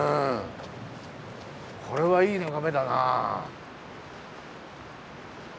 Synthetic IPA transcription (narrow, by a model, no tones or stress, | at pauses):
ɯ̃ | kʰo̞ɾe̞βaiːnakame̞d̪ana̰